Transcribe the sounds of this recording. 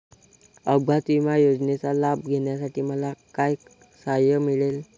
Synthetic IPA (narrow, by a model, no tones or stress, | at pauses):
əbʱat̪ʋimajod͡znet͡salabɡʱeɽjasaʈʰiːməlakaj | sajəmiɭel